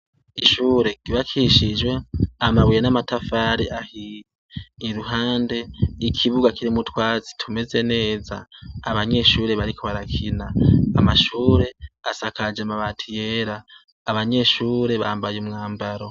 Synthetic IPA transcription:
iʃuːɾe̞ɡ̥iβakʰiʃid͡ʒwe̞amaβujenamatafaːɾiʔahiː | ɾuɦaːnde̞ikʰiβuɡakiɾimutwaːzi̥tʰume̞ze̞ne̞ːza̰ːβaɲe̞ʃuːɾe̞βaɾikoβaɾakʰinaːmaʃuːɾe̞asakad͡ʒamaβatʰijeːɾaː | βaɲe̞ʃuːɾe̞βaːmbajumŋaːmbaɾo̞

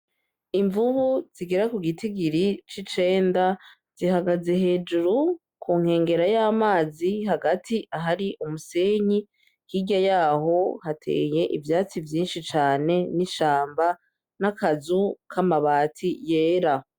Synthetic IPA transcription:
iɱvuhuz̥iɡe̞ɾakuɡitiɡiɾit͡ʃit͡ʃe̞ːnda | z̥ihaɡaze̞ɦe̞ːd͡ʒuɾu | kʰuːŋ̥he̞ːŋɡe̞ɾajaːmaːziɦaɡatʰiʔaɦaɾiʔumuse̞ɲi | kiːɟajaːho̞hatʰḛːje̞ʔivjaːt͡sivjiːnʃit͡ʃaːne̞niʃaːmba | nakazukʰamaβaːtʰije̞ːɾa

